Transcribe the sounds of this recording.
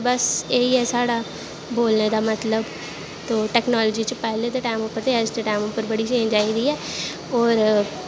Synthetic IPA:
bəseiɦɛːsaːɽaː | boːlneːd̪aːmət̪ləb | t̪oːʈɛːknaːlɔːd͡ʒiːt͡ʃəpɛɦleːd̪eʈaːɪmʊpːəɾt̪easd̪eʈaːɪmʊpːəɾbəɽiːʃẽːd͡ʒaːid̪iːɛː | ɔːɾ

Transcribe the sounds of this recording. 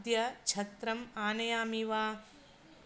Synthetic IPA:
d̪jɐt͡ʃʰɐt̪ɾɐmaːnɐjaːmiʋaː

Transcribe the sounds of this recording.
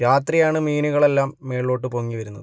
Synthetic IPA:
ɾaːt̪rijaːɳɨmiːnuɣɐɭe̞lːaːmːe̞ːɭo̞ːʈːɨpoŋːiʋɐɾunːɐð

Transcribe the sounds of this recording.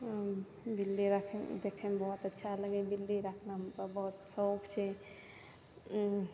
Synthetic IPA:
bilːiɾakʰemd̪ekʰembɔɦut̪ətːʃʰaləɡebilːiɾakʰnaɦəmpəɾbəɦut̪səokt͡ʃʰɛ

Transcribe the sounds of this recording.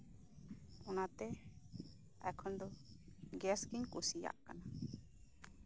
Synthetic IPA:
ɔnat̪ɛ | a̰jkʰɔnd̪ɔɡɛskiŋkusija̰ʔkana

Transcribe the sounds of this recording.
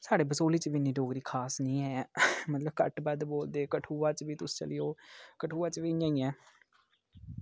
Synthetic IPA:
saːɽeːbəsoːliːt͡ʃəʋinːiːɖoːɡɾiːkʰaːsnĩːɦɛːmət̪ləbkə̰ʈbəd̪boːld̪eːkəʈʰuːʋãːt͡ʃʋiːt̪ʊsːt͡ʃə̰lɪjoːkəʈʰuːãːt͡ʃʋijãːĩːɛː

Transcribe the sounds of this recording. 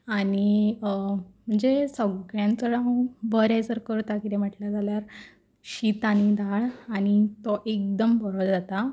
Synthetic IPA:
aɽ̃i | m̤əɳd͡zesəɡɡɭjãnt͡səɽaɦũbəɾjajt͡səɾkəɾt̪akit̪em̤əʈljad͡zaljaɾ | ɕit̪añid̪aɭaɽ̃it̪ɔʔek̚d̪əmbəɾod͡zat̪a

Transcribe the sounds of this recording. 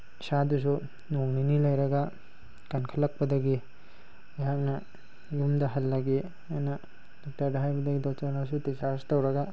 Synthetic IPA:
sadus̬u | noŋninilajɾɐɡa | kankʰalːak̚pɐdaɡi | aɦak̚nɐ | jumdɐɦɐlːaɡi | ajna | dɔk̚taɾdaɦajbɐdaɡidɔtaɾnasutisastawɾɐɡa

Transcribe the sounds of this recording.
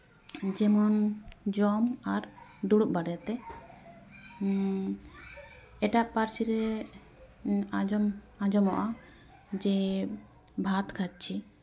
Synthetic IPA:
d͡ʒɛmɔnd͡ʒɔmaɾd̪uɽuʔ̚baɖɛjat̪ɛ | ɛʈaʔpaɾsiɾɛ | ad͡ʒɔm | ad͡ʒɔmɔʔa | d͡ʒɛ | bʱat̪kʰat͡ʃ̚t͡ʃʰi

